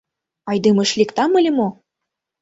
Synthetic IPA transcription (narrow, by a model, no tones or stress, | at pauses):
ɑjd̪ɨmɤ̆ʃlʲikt̪ɑmɤlʲimo